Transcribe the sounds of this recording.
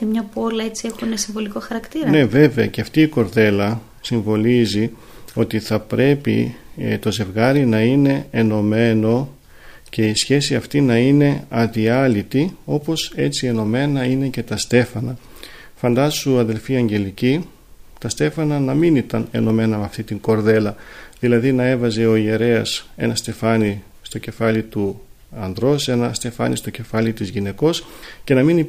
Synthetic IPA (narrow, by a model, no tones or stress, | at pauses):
emɲɐpolɐe̞t͡sie̞xunesiɱvo̞likoxɐɾɐkt̪iɾne̞ve̞ve̞ɐceɐft̪iːko̞ɾðe̞lɐ | siɱvo̞lizi | o̞t̪iθɐpɾʔe̞pḭt̪o̞ze̞vɣɐɾinɐine̞ːno̞me̞no̞ | ce̞isçe̞siɐft̪inɐine̞ɐðiɐlit̪io̞po̞se̞t͡sie̞no̞me̞nɐine̞ce̞t̪ɐst̪e̞fɐnɐ | fɐnd̪ɐsuɐðe̞lfiɐɲɟe̞lici | t̪ɐst̪e̞fɐnɐnɐminit̪ɐne̞̰no̞me̞nɐmeɐft̪it̪iŋɡo̞ɾðe̞lɐðilɐðinɐe̞vɐze̞o̞ie̞ɾe̞ɐse̞̰nɐst̪e̞fɐni | st̪o̞ce̞fɐlit̪u | ɐnd̪ɾo̞se̞nɐst̪e̞fɐ̰nist̪o̞ce̞fɐlit̪izʝine̞ko̞sce̞nɐmini